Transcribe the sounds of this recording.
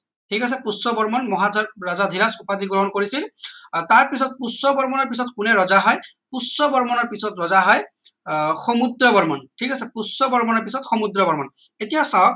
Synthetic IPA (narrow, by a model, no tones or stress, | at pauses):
tʰikas̬ɛpusːɔbɔɹmɔnmɔɦazɔɹɹazad̪ʱiɾasupad̪iɡɹɔɦɔnkoɹisiltaɹpisɔt̚pusɔbɔɹmɔnɔɹp̬isɔtkunɛɹɔzaɦɔj | pusːɔbɔɹmɔnɔɹpisɔtɹɔzaɦɔj | xɔmud̪ɹɔbɔɹmɔnʈʰikasɛpusːɔbɔɹmɔnɔɹpisɔtxɔmud̪ɹɔbɔɹmɔnetijasawk̚